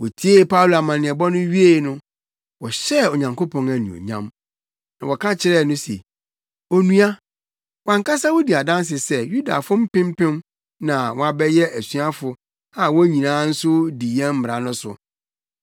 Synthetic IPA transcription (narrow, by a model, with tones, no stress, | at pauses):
wɔ˨tʰi˦e˦˨pʰa˦wlu˨a˨mã˨nɪ̃˨ɛ˨bɔ˦nʊ̃˦ɥi˦e˦˨˦nʊ̃˦ | wɔ˨ɕɛ˦o˨ɲã˨ŋkʰo˦pʰɔ̃˨næ˨nṵ̃˨o̰˨ɲã̰˦m | nã˨wɔ˨kʰã˦t͡ɕʰɪ˦ɾɛ˦˨nʊ̃˦sɛ̰˨ | o˦nũ˦a˦ | wã˨ŋka˦sa˦wɔ˦di˨a˨dã˦ns̬ɪ˨sɛ˦ju˦da̰˨fʊ̃˦m̩˦pɪ̃˦m˦pɪ̃˦m | nã˨wɔ̃˨a˨bɛ˦jɛ˦ʔæ˨sɥa˦fʊ˨ | a˨wɔ˦ɲĩ˨nãː˦n̩˦sʊ˦di˨jɛ̃˦m̩˦m˨a˨nʊ̃˦sʊ̰˨